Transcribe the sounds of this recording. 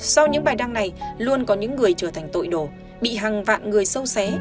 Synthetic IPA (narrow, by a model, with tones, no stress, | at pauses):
sa˧wɲɨ̰˧˥ŋɓaː˨˩jɗa˧ŋna˨˩jlu˧ənkɔ˨˦ɲɨ̰˧˥ŋːɨ˨˩əjt͡ɕəː˧˩t̪ʰjŋ̟t̪o̰˧˨jɗo˧˩ | ɓḭ˧˨ɦaː˨˩ŋva̰ː˧˨nŋɨ˨˩əjsə˧wsɛ˨˦